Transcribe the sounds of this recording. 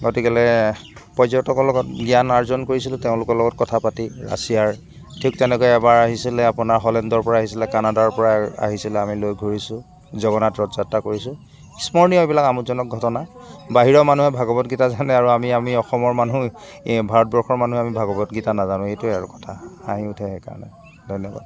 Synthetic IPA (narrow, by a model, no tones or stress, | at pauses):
ɡotikɛlɛpɔzɔtɔkɔlɔɡɔt̚ɡianaɹzɔnkoɹisilʊteʊ̃lʊkɔɹlɔɡɔt̚kɔtʰapatiɹa̰sijaɹ | tʰik̚tɛnɛkɔjɛɛbaɹaɦisilɛapʊnaɹɦɔlɛndɔɹpɔɹaaɦisilɛkanadaɹpɔɹaa̰ɦisilɛamilojɡʱoɹisʊ̃ | zɔɡɔnatɹɔtz̥atːakoɹisʊ̃ | smɔɹniɔbilakamuzɔnɔk̚ɡʱɔtɔnabaɦiɹɔmanuɦɛbʱaɡɔbɔtɡitazanɛaɹuamiamiɔxɔmɔɹmanubʱaɹɔt̚bɔɹxɔɹmanuɦamibʱaɡɔbɔtɡitanazanʊ̃ejtuaɹṵkɔ̥tʰaa̰ɦiʊtʰɛɦɛkaɹɔ̰nɛ̰ | dʱɔjnɔba̰